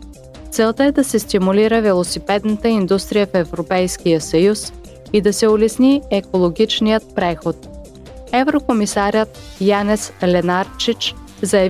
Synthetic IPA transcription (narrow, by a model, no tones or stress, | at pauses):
t̪sɛlˠt̪əɛd̪ɐsɛst̪imuliɾəvɛlˠosipɛd̪nət̪əind̪ust̪ɾijəfɛvɾopɛjskijəsɐjus | id̪ɐsɛʊlɛsniɛkolˠoɡʲit͡ʃnijət̪̚pɾɛxot̪̚ | ɛvɾokomisaɾʲət̪̚janɛslɛnaɾt͡ʃit͡ʃ | zɐjɐ